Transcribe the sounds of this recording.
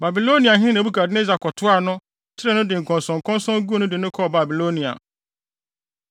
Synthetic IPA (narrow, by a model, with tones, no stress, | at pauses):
ba˨bi˨lo˦nĩ˨a˨ɦɪ̃˦nã˨˦bu˦ka˨dɪ˦ne˦za˨kʰɔ˨tʰʊ˦a˨nʊ̃˦ | tʰɪ˦ɾɛ˦nʊ̃˦dɪ˨ŋ̩˨kʰɔ̃˨nsɔ̃˨ŋ˨kʰɔ̃˦nsɔ̃˦ŋ˦ɡu˦nʊ̃˦dɪ˨nʊ̃˦kʰɔ˦˨ba˨bi˨lo˦nĩ˨a̰˨